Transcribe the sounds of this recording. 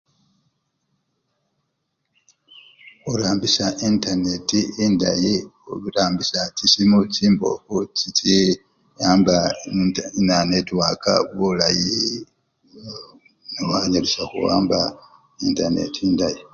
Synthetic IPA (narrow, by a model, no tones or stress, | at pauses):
xuɾaːmbisaʔintanetiindajioβiɾaːmbisacisimuciːmbo̞̰fut͡ʃiti | jaːmba | inanetwaka̰βulaji | newaɲalisaxṵwa̰ːmba | intanḛtiindaji